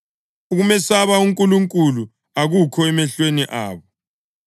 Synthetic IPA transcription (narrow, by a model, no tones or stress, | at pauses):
uɣumɛsaβauŋkʼuluŋkʼulu | aɣukʰɔɛmɛɬweniʔaːβɔ